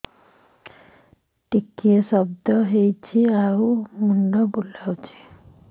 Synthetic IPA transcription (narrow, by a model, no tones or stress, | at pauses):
ʈikːiesʌbd̪ʌɦejt͡sʰiaɾumuɳɖʌbulːawt͡sʰi̥